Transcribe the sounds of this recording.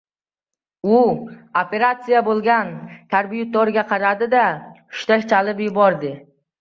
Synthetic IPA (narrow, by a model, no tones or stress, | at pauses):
ʊope̞ɾat̪sijabolˠɡʲant̪ʰaɾbijʊt̪oɾɡʲaqʰɑɾad̪ɪd̪a | ʊ̥ʃt̪akt͡ʃʰalɪpjʊbɒɾd̪ɪ